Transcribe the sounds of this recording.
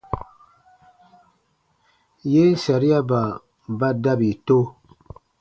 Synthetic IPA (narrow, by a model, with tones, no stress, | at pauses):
je˦sa˨ɾi˦a˦ba˨ | ba˦da˦bi˨to˦